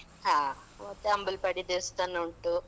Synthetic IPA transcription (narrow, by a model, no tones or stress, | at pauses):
ɦaː | mɐt̪ːeɐmbulpɐɽid̪est̪ɐnɐuɳʈu